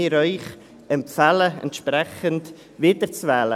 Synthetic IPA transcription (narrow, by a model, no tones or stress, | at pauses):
ɪɾɔʏχ | ɛmpfaləɛ̰ntʃprɛχənt | vɪːdəɾt͡svɛːlə